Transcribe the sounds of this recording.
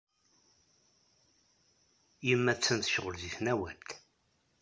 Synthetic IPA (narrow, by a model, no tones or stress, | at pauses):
jəmːæt͡sːənt̪ʃʁəlðiθnæwælt̪